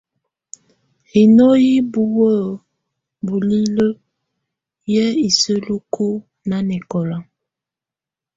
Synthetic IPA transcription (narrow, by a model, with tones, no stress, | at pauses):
hi˨nɔ˦ji˦bu˦wə˦˨ | bu˨li˦lə˦ | jɛ˦i˨sə˦lu˦kʰu˦ | na˨˦nɛ˨kɔ˨la˨